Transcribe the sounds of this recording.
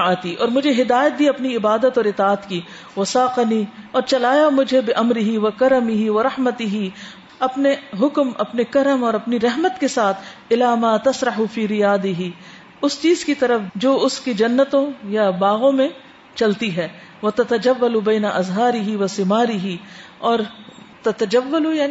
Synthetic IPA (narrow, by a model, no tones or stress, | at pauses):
aːt̪iʔɔːɾmʊd͡ʒʱeɦɪd̪aːjət̪̚b̪iɐpniɪbaːd̪ət̪ɔːɾɪt̪aːət̪ki | ʋɐsaːqniɔːɾt͡ʃɐlaːjamʊd͡ʒʱebɪʔɐmɾɪɦiʋɐkɐɾɐmɪɦiʋɐɾɐhmət̪ɪɦi | ɐpneɦʊkmɐ̰pnekɐɾəmɔːɾɐpniɾɐɦmət̪kesaːt̪ʰɪlaːmaːt̪ɐsɾɐɦufiːɾɪjaːd̪ɪɦi | ʊst͡ʃiːzkit̪ɐɾəfd͡ʒoːʊskid͡ʒɐnːət̪õjabaːɣõmẽ | t͡ʃɐlt̪iɦɛː | ʋɐt̪ɐt̪ɐd͡ʒɐʋːɐlubɛːnɐʔɐzɦaːɾɪɦiʋɐsɪmaːɾɪɦi | ɔːɾt̪ɐt̪ɐd͡ʒɐʋːɐluja